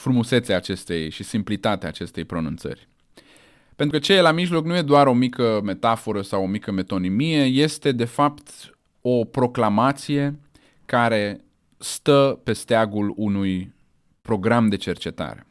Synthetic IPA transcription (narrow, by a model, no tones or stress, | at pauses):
fɾumuse̞t̪seaːt͡ʃe̞st̪e̞jʃisimplit̪at̪eaːt͡ʃe̞st̪e̞jpɾonunt̪sə̰rʲ | pe̞nt̪ukət͡ʃejelamiʒlo̞knuje̞d̪oaɾo̞mikəme̞t̪afo̞ɾəsawomikəme̞t̪o̞nimije̞je̞st̪e̞d̪e̞fapt̪ | opɾo̞klamat̪sije̞ | kaɾe̞ | st̪əpe̞st̪eaɡulunuj | pɾo̞ɡɾamd̪e̞t͡ʃe̞rt͡ʃe̞t̪a̰ɾe̞̰